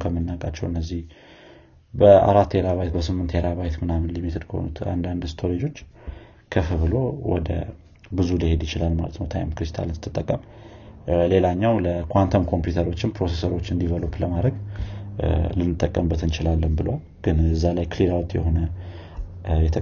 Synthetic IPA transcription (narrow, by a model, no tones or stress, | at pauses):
kʰəmːɨnːakʼa̰t͡ʃːɛwɨnːəzːih | bəa̰ɾat̪ːeɾaβajt̪bəsɨmːɨnt̪ʰheɾaβajt̪mɨnamɨnlimit̪ʰɨɾkʰəho̰nut̪a̰nd̪and̪ɨst̪ʰo̞ɾed͡ʒo̞t͡ʃː | kʰəfɨβɨlowɔ̰d̪ə̰ | bɨzulihe̞d̪jɪt͡ʃɪlalma̰lə̰t̪nəwt̪ʰajmkɨɾist̪ʰa̰lɨt̪ʰʼːɨt̪ʼːəkʼːəm | le̞laɲːawləkʰʷwant̪ʰomkʰo̞mpjut̪ʰəɾo̞t͡ʃːɪnpɾo̞se̞səɾo̞t͡ʃːɨnd̪ivəlopləmad̪ɾəɡ | lɨnːɨt̪ʼːəkʼːəmbːət̪ɨnt͡ʃɪlalːəmbɨləwal | ɡ̥ɨnɨzːalajkʰliɾawt̪ʼːjɛ̰ho̞nə | jɛt̪ʰə